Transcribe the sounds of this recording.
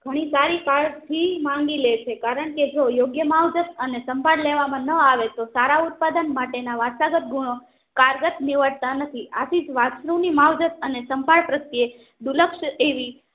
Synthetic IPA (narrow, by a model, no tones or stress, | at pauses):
ɡ̥ʱəɽ̃isaɾikaɭt̪ʰimãŋɡilet͡ʃʰekaɾəɳked͡ʒojoɡjəmaʋd͡ʒət̪ənesəmbʱaɽleʋamãnəaʋet̪osaɾaʊt̪̚pad̪ənmaʈenaʋasaɡət̪̚ɡuɽ̃o | kaɾɡət̪niʋəʈ̚t̪anət̪ʰiasid͡ʒʋaʃɾũnimaʋd͡ʒət̪ənesəmbʱaɭpɾət̪ːie | d̪uləkʃeʋi